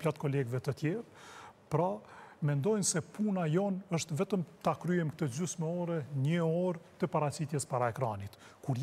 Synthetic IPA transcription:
plat̪̚kɔlɛɡvɛt̪ət̪jɛɾpɾamɛnd̪ɔjnsɛpunajɔnəʃt̪vɛt̪əmt̪akɾyɛmkt̪əd͡ʒysmɛɔɾɛɲəɔɾt̪əpaɾat͡ɕit̪jɛspaɾaɛkɾanit̪kuɾ

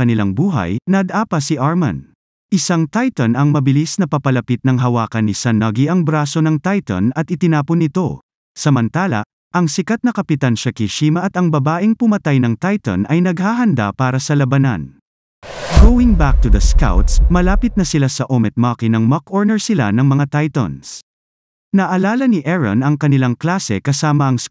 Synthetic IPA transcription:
kɐnɪla̰ŋbuːɦɐ̰jnɐd̪ʔaːpɐsiʔaɹmɐ̰n | ʔɪsaŋt̪ajt̪ɐnɐŋmɐbɪlisnɐpɐpɐlɐpit̪̚nɐŋɦɐwaːkɐnɪsɐnɐɡiʔɐŋbɾaːso̞nɐŋt̪ajt̪ɐ̰nɐt̪̚ɪt̪ɪnaːponɪt̪o̞ | sɐmɐnt̪aːlɐ̰ | ʔɐŋsɪkat̪̚nɐkɐpɪt̪anʃɐkiʃiːmɐʔɐt̪ɐŋbɐbaːʔɪŋpʊmɐt̪ajnɐŋt̪ajt̪ɐ̰nʔɐjnɐɡ̚haːɦɐnd̪a̰paːɾɐsɐlɐbɐnɐ̰n | ɡowɪŋbak̚t̪ud̪ɐska̰wt̪smɐlaːpɪt̪̚nɐsɪlasɐʔomɛt̪̚mɐkinɐŋmɐkoɹnɛɹsɪla̰nɐŋmɐŋat̪ajt̪ɐ̰ns | nɐʔɐlaːlɐniʔɛɹɐ̰nɐŋkɐnɪlaŋklaːsɛ̰kɐsaːmɐɐŋs

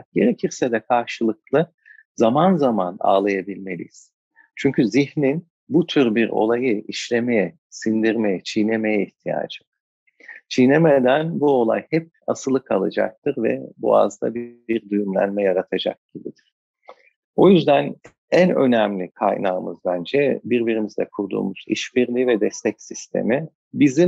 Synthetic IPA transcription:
k̚ɟe̞ɾecʰiɾsɛd̪ɛkʰaɾʃɯlˠɯklˠɯ | zamanzamana̰ːlˠajabilʲme̞lʲḭjiz̥ | t͡ʃʰyɲcʰyzihnin | but̪ʰyɾbiɾo̞̰lˠajɯiʃlʲe̞mejɛ | sind̪iɾmejɛt͡ʃʰijne̞mejɛiht̪ʰija̰ːd͡ʒɯ̥ | t͡ʃʰijne̞med̪ænbuo̞lˠa̰jhɛp̚asɯlˠɯkʰalˠad͡ʒa̰k̚t̪ʰɯɾvɛ̰bṵa̰zd̪a̰biɾd̪ujumlʲæ̰nmɛjaɾat̪ʰad͡ʒa̰k̚ɟ̥ibid̪iɾ̥ | o̞jyzd̪æn | ænø̞næmlʲikʰa̰jnaːɯmɯzbænd͡ʒɛbiɾbiɾimizd̪ɛkʰuɾd̪ṵːmuz̥ḭʃbiɾlʲiːvɛd̪ɛst̪ʰɛcsist̪ʰe̞̰mi | bizi

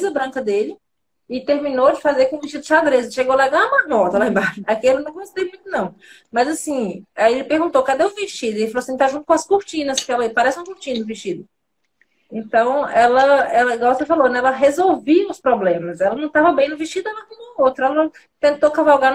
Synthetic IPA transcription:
zɐbɾɐ̃ŋkɐd̪elɪ | ɪt̪eɾmĩnod͡ʒɪfazeɾkõũviʃt͡ʃid̪ʊʃad̪ɾezɪʃeɡowalaɡãmɐnɔt̪ɐlẽbɾaʒɐakiɛlɪnɐ̃w̃ɡõst̪ejmũj̃t̪ʊnɐ̃w̃ | mɐzasĩaielɪpeɾɡũt̪okad̪eʊ̃viʃt͡ʃid̪ʊielɪfaloasĩt̪aʒũt̪ʊ̥kõɐskuɾt͡ʃĩnɐspkeɛlɐipaɾɛsɪ̃ũkuɾt͡ʃĩnɐd̪ʊviʃt͡ʃid̪ʊ | ẽnt̪ɐ̃w̃ɛlɐɛleɛɡawksefalonɛɛlɐɦezowviɐʊspɾɔblẽmɐsɛlɐnɐ̃w̃t̪avɐbẽj̃nʊviʃt͡ʃid̪ʊũɐkõmɐot̪ɾɐɛlɐnɐ̃w̃ | t̪ẽt̪okavawɡaɾn

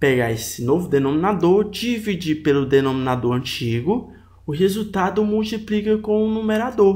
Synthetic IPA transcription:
peɡaesɪnovʊd̪enõmĩnad̪oɾd͡ʒivid͡ʒipelʊd̪enõmĩnad̪oɾɐ̃t͡ʃiɡʊ | ʊɦezut̪ad̪ʊmuwt͡ʃiplikɐkõũnũmeɾad̪oɾ

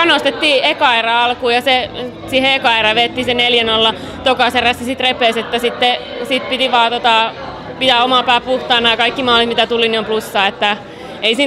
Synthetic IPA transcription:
ɑnost̪et̪ːiːekɑerɑɑlkuːjɑse | siheekɑerɑʋeːt̪ːiːseneljænolːɑ | t̪okɑseræsisit̪repˑeːset̪ːæsit̪ːesit̪pit̪iʋɑːt̪ot̪ɑ | pit̪æomɑpæːpuht̪ɑːnːɑjɑkɑikːimɑːlit̪mit̪æt̪uliniomplusːɑːet̪ːæ | eisiː

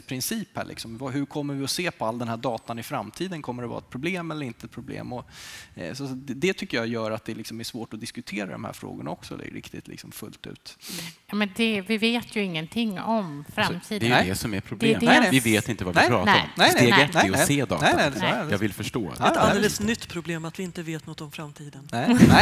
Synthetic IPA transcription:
pʰɾɪnsiːphæ̰ːɭʔɪ̰ksɔmvaɦɵɾkʰɔmːəɾvɪɔseːpʰɔald̪ɛnhæːɖɑːt̪anɪfɾamːt̪ʰiːd̪ənkʰɔmːəɖɛvɑ̰ːɾaɛt̪̚pʰɾʊbleːmɛlːəɾɪnt̪əɛt̪̚pʰɾʊblḛːmɔ | sɔɛd̪ɛt̪ʰʏkːəjɑjœːɾat̪̚d̪ɛlɪksɔmæʂvoːʈɔd̪ɪskʉt̪ʰeːɾa̰d̪ɔ̰mhæ̰ːɾfɾo̰ːɡʊɳa̰ɔksɔlɪ̰ɾɪ̰kt̪ɪt̪lɪ̰ksɔmfɵ̰lt̪ʉ̟̰ːt̪jɑːmɛnd̪ɛvɪveːt̪ʰjɵɪŋːənt̪ʰɪŋːɔmfɾat̪ʰiːd̪ɛj̪ɛsɔmɛɾpʰɾʊd̪ːd̪vɪveːt̪ɪnt̪əvavɪpɾɑːt̪aɾɔ̰mnɛseːɡɛɛɔseːd̪ɑ̰ɛnɛɛjɑ̰ːvɪlfœʂʈo̰ːaeːləsnʏt̪ːpʰɾʊbleːmat̪vɪɪnt̪əveːt̪nɔt̪ːɔmfɾamt̪ʰiːd̪ənnɛnɛ

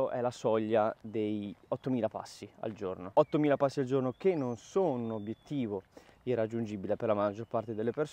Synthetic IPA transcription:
oʔɛlasɔʎːad̪ejɔt̪ːomiːlapa̰sːia̰ld͡ʒo̰rnoɔt̪ːomiːlapasːiald͡ʒornok̟enːonsonunobjet̪ːiːvoirːad͡ʒːund͡ʒibilepeɾlamad͡ʒːorpart̪ed̪elːepers

